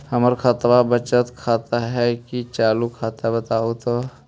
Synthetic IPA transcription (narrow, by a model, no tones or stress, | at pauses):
həməɾkʰət̪wabət͡ʃət̪kʰaːt̪aɦɛkit͡ʃaːlukʰaːt̪abət̪aːot̪o